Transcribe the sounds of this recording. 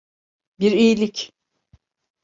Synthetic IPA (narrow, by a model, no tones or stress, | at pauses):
biɾijlʲic